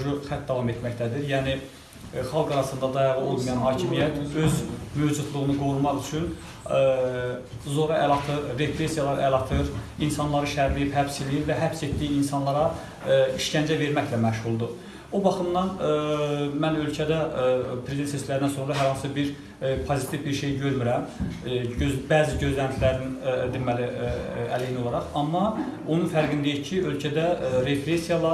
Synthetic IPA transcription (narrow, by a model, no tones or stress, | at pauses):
ʒuxæt̪̚d̪ɑvɑme̞t̪mæçt̪æd̪iɾjæːni | χɑlˠɡɑɾɑsɯnd̪ɑd̪ɑjɑʁɯo̞lˠmijɑnɦɑːcʰimijæt̪ʰø̞zmød͡ʒud̪lˠuɣɯnɯɡo̞ɾumɑʁyt͡ʃʰyn | zo̞ɾɑʔælˠɑt̪ʰɯɾɾe̞pɾe̞sijɑlˠɑɾælˠɑt̪ʰɯɾinsɑnlˠɑɾɯʃæɾlijiphæbselijivæɦæpse̞t̪d̪ijiinsɑnlˠɑɾɑ | iʃcænd͡ʒæve̞ɾmæçlæmæʃhulˠd̪u | obɑχɯmd̪ɑn | mænølcʰæd̪æpʰɾezid̪ent̪sesʰlæɾd̪ænso̞nɾɑɦæɾhɑnsɯbiɾ | pʰozit̪ʰivbiɾʃe̞jɟø̞ɾmyɾæm | øbæːziɟøzlænt̪ʰilæɾnind̪imæliæleiniolˠɑɾɑχɑmːɑonunfæɾɡind̪ejiɾcʰiølcʰæd̪æɾe̞pɾesijɑlˠɑ